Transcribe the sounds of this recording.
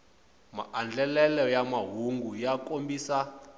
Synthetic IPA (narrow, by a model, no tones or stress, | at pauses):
ma̰ʔand͡ɮɛlɛlɔjamaɦuŋɡujakʼombisa